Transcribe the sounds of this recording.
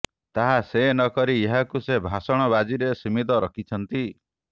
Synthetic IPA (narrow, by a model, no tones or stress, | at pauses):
t̪aɦasenɔkɔɾieɦakusebʱasɔɽ̃ɔbad͡ʒiɾesimit̪̬ɔɾɔkʰit͡ʃʰɔnt̪i